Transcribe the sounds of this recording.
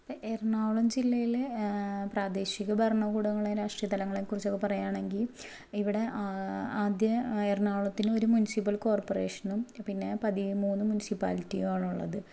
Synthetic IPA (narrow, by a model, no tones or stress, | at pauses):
ɐʔernaːʋɭɐmd͡ʑilːɐjilepraːd̪eːɕiɣɐbʱɐrɳɐɡuːɽɐŋːɐɭeɾaːʂʈrijɐt̪ːɐlɐŋːɐɭekurit͡ɕːokːe̞pɐrɐjaːɳe̞ŋɡil | iʋiɽe̞aaːd̪jɐernaːʋɭɐt̪ːino̞ɾumunisipːɐlko̞ːrporeːʂɐnumpinːe̞pɐðimuːnːɨmunisipa̰ːlitːijaːɭuɭːɐ̰ðɨ